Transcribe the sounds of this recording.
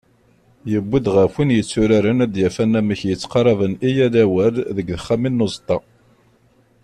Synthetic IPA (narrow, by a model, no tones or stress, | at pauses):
jəbːid̪ʁəfinjət͡sːʊɾaɾənæd̪jæfænːæməçjət͡sːqɑɾˤɑvənijæðæwælðəɡðəχːaminːʊzˤt̪ˤːɑ